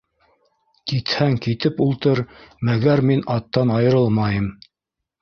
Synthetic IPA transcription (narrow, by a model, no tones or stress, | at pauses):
kit̪hæŋkit̪ɘpulˠt̪ɤɾmæɡæɾminɑt̪ːɑnɑjɤ̆ɾɤlˠmɑjɤm